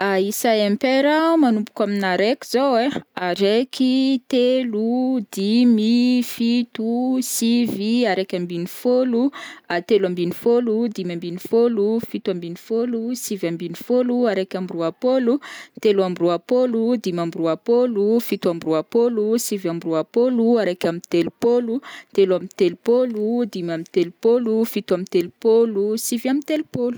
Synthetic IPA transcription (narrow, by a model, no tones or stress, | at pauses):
aisaempeɾamanumpu̥kaminaɾekʲiz̥oweaɾekʰit̪elud̪imifit̪usiviaɾekʲambinifoluat̪eluambinifolud̪imambinifolufit̪uambinifolusivambinifoluaɾekʲambruapolut̪eluambruapolud̪imambɾuapolufit̪ambɾuapolusivambɾuapoluaɾekʲamit̪elupolut̪elamint̪elupolud̪imamint̪elupolufit̪uamint̪elupolusivamint̪elupolu̥